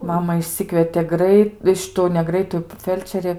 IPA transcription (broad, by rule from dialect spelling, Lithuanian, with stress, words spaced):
ˈmɑːmɐ ɪʃʲˈsʲɪkʋʲiɛtʲeː ˈɡrɐɪt ˈʃʲɪtʊ nʲɛ ˈɡrɐɪtʊ ˈfʲɛlʲt͡ʃʲɛrʲeː